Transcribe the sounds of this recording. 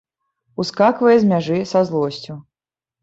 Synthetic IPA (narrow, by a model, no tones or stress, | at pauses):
uskakvɐjɛzʲmʲaʐɨsazlˠɔsʲt͡sʲu